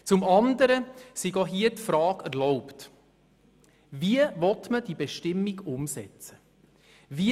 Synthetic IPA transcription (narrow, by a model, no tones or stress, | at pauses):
t͡sʊmɑndəɾəsiɡɔɦiətfɾɑːɡæɾlɔʊpt | viəvɔtməd̥ibeʃtɪmːiɡʊmsɛt͡sə̥ | vi